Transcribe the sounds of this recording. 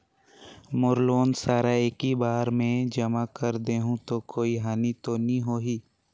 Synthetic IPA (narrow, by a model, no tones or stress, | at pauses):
mʊɾloːnsaːɾaeːkibaːɾmẽd͡ʒɐmakəɾd̪eːɦũt̪okoːiɦaːnit̪onĩɦoːɦiː